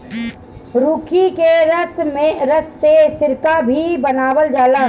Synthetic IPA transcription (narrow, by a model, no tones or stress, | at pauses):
ɾuːkʰikeɾəsmeɾəsːesɪɾkabʱibənaːwəld͡ʒaːlaɦ